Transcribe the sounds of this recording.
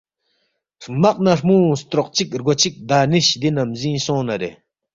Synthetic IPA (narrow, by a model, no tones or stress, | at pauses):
r̥maq̚narmust̪ɾoq̚t͡ɕik̚rɡot͡ɕik̚d̪aniɕd̪inamzĩsõnaɾe